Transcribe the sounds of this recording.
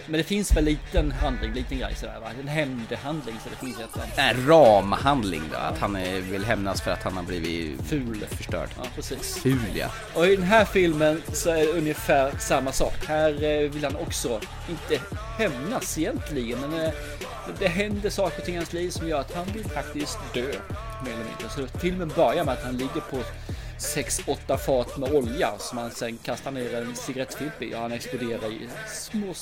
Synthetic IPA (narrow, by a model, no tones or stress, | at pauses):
mɛnd̪ɛfɪnsvɛlːiːt̪ənɦand̪lɪŋliːt̪ənɡɾɛ̰jsɔd̪æ̰ːɾva̰ɾɛnɦɛmd̪əhand̪lɪŋsɔd̪ɛfɪnsɛt̪ːɛnɾɑːmahand̪lɪ̰ŋd̪o̰a̰t̪hanvɪlɦɛmnasfœɾa̰t̪hanhaɾbliːvɪ̰fʉ̟ːlfœʂʈœ̰ːɖ̥jɑ̰ːpʰɾɛsiːsfʉ̟ːla̰ | ʔɔɪd̪ɛnɦæːɾfɪlmənsɔæɖɛɵnjəfæːɾsamːasɑ̰ːkhæːɾvɪlhanɔksɔ | ɪnt̪əhɛmnasɪjɛnt̪ʰlɪɡənmɛn | d̪ɛɦɛnd̪əʂɑːkəɾɔt̪ʰɪŋːhansliːvsɔmjœːɾat̪hanvɪlfak̚t̪ɪskd̪̥øː | meːɾɛlːɛmɪ̰nd̪ɾəsɔɛfɪlmənbœɾjaɾmɛat̪hanlɪɡːəɾpʰɔ | sɛksɔt̪ːafɑːt̪mɛɔlja̰sɔmhansɛnkʰast̪aɾɳeːɾɛnsɪɡaɾɛt̪ːfɪlbɪɔ̰hanɛksplʊd̪eːɾasmoː